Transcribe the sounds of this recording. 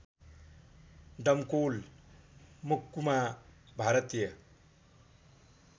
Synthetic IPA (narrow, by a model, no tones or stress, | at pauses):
ɖʌmkoːl | mukːumabʱaɾʌt̪jʌ